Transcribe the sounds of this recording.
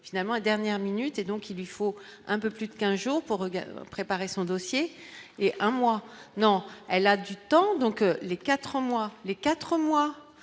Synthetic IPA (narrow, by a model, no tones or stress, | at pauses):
finalmɑ̃ed̪ɛʁnjɛʁminyt̪ed̪ɔ̃kilːɥifoɛ̃pøplyd̪əkʲɛ̃zʒuːʁpuʁːəpχepaʁesɔ̃d̪osjeeʔɛ̃mwanɔ̃ɛlad̪yt̪ɑ̃d̪ɔ̃klekat̪χəmwalekat̪χəmwa